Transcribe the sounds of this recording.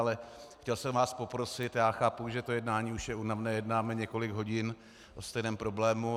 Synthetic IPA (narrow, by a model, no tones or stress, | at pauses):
lɛxcɛlsɛmvaːspo̞pɾo̞sɪt̪jaːxaːpuʒɛt̪o̞jɛdnaːɲiːuʃjɛunavnɛːjɛdnaːmɛɲɛko̞lɪɡɦo̞ɟɪn | ʔost̪ɛjnɛːmpɾo̞blɛːmu